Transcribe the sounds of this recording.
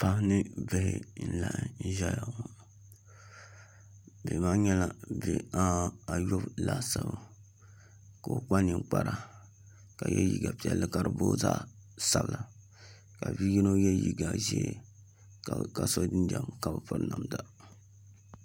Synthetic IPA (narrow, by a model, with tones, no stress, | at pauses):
pa˦hnɨ˦be˦hɪ̰˦n̩˦˨la˦ʔn̩˦ʒa˦ja˨ | be˨maː˦ɲɛ˦la˨be˨a˦a˨jo˦bla˦sa˦ba˨ | ka˨k͡pa˦ni˨ŋk͡pa˦ɾa˨ | ka˨jɛ̰˦jḭ˦ɡa˨pi˨ɛ˨lɨ˦ka˦ɾɨ˨boː˦zaː˦sa˦bla˨ | ka˨vi˦ji˦no˦jɛ˦jḭ˦ɡa˨ʒɛ̰˦e˦ | ka˨so˦dɨ˦nda˨mka˨bɨ˨pɨ˦ɾna˨mda˦